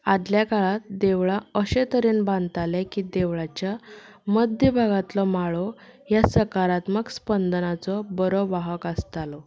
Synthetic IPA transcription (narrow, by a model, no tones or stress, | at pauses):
ad̪ljakaɭat̪̚d̪eʋɭaəɕet̪əɾiːnbãnt̪alɛkiːd̪eʋɭat͡ɕjaməd̪jəbʱaɡat̪lɔmaɭɔjasəkaɾat̪məkspənd̪ənat͡sɔbəɾoʋaɦəkəst̪alɔ